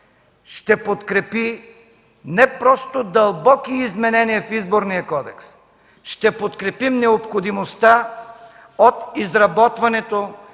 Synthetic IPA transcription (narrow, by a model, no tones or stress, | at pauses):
ʃt̪ɛpot̪kɾɛpi | nɛpɾɔst̪od̪ɐlˠbɔkiːzmɛnɛniɛfizboɾnijɐkɔd̪ɛks | ʃt̪ɛpot̪kɾɛpimnɛopxod̪imost̪a | ot̪izɾɐbɔt̪vɐnɛt̪o